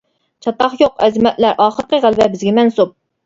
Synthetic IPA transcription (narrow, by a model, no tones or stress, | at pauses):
t͡ʃʰɑt̪ɑχjoqɛzɪmɛt̪læɾʔɑːχəɾqəʁælˠvɛbɪzɡʲɛmɛnsup̚